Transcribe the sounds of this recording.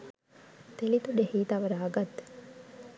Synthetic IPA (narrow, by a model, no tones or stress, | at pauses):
t̪elit̪uɖehiːt̪aʋɐɾaɐɡɐt̪ː